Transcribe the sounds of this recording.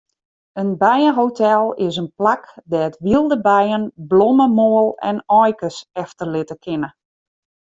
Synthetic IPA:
ənbɛjəɦowtɛlˠɪs̬ənplakdɛətʋilˠdəbɛjənblɔməmoəlˠɛ̰nɔjkəsɛftərlɪtəkʰɪnə

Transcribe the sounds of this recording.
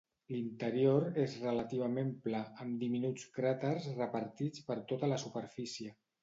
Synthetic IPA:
lint̪əɾioɾezrələt̪iβ̞əmemplaəmd̪iminut͡skɾat̪əɾzrəpəɾt̪it͡spəɾt̪ot̪ələsupəɾfisiə

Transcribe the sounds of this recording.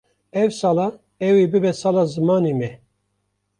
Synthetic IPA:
ɛwsɑːlɑ | ɛwebɨbɛsɑlɑːzɨmɑːnemɛ

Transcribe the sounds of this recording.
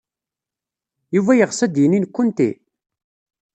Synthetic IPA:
juvæjəʁsæd̪jəninkʷːʊnt̪ḭ

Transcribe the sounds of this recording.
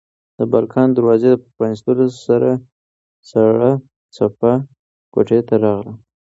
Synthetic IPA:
d̪̥əbɑlkʰɑnd̪aɾwɑzed̪əppanɪst̪əlosaɾa | saɽa | t͡sapa | koʈet̪aɾɑɣla

